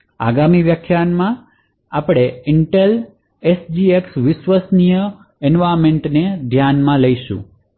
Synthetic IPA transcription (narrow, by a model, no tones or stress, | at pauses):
a̰ɡamiʋjəkʰjanmã | apɽ̃eɪɳʈel | esd͡ʒieksʋɪʃʋəsnijə | ɛnʋaɾmeɳʈned̪ʱjanmãləjʃṵ̃